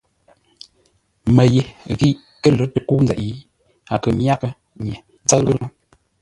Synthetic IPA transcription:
mə˨je˨ɣi˦ʔ | kə˦lə˨˦tə˨ku˦nd͡zɛ̰˨ʔji˦ | a˨kə˨mja˦kə˦ | ɲɛ˨ | n˦t͡sa˦tɣə˦nə˦

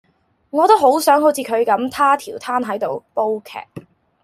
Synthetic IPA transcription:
ŋɔː˨˧t̪o˥wɦo˨˥wsœː˨˥ŋɦo˨˥wt͡sʰiː˨˧kʰɵ˨˧ɥkɐ˨˥mt̪ʰaː˥t̪ʰiː˨˩wt̪ʰaː˥nɦɐ˨˥jt̪o˨wpo˥wkʰɛ̰ː˨k̚

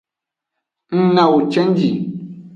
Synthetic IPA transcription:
n̩˦nã˨wo˨t͡ʃɛ˦n˦d͡ʒi˨

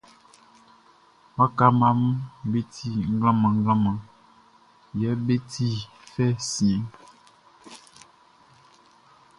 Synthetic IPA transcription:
ma˦ka˦ma˦m˦be˦tʰi˦ŋ̩˦ɡã˦mã˨ŋ˦ɡã˦mã˨ | jɛ˨˦be˦tʰi˦fɛ˦si˨˦

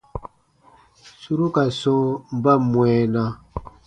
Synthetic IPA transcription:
su˦ɾu˦ka˨sɔ̃˦m̩˦ba˦mwɛ˨nã˦

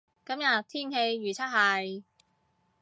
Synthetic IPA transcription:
kɐ˨˥mjɐ˨t̪ʰiː˥nhe˧jɥyː˨t͡sʰɐ˥t̚ɦɐ˨˧˩j

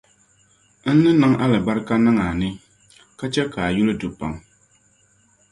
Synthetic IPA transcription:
n̩˦nɨ˦nɨ˦ŋa˦lɨ˨ba˦ɾka˦na˦ŋa˨nɪ˦ | ka˦t͡ʃɛ˦ka˨a˨ju˦lɨ˦dʊ˨pa˨ŋ

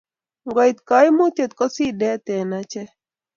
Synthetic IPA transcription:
ŋɡɔ˨i˨t̪ka˨˦ɪ˦mo˦t̪je˨t̪̚kɔ˦si˦dɛ˦t̪ɛ˨na˦t͡ʃɛ˦

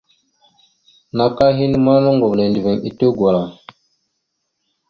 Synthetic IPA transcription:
na˨ka˦ɦi˦n˦ma˦ma˦ŋɡo˨ble˨ndi˨ve˨ŋi˨to˦ɡwa˨ɾa˨

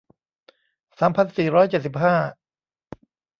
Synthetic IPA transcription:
saː˩˦mpʰa˧nsiː˨˩ɾɔː˦˥jt͡ɕe˨˩t̪̚si˨˩p̚ɦaː˥˩

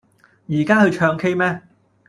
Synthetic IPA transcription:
jiː˨˩kaː˥hɵ˧ɥt͡ʃʰœː˧ŋkʰe˥jmɛː˥

